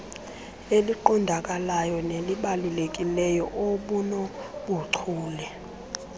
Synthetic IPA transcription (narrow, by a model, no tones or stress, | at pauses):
eliǃɔndʱak̬ʼalajɔneliɓalilek̬ʼilɛjɔʔoɓunɔɓuǀʰuːlɛ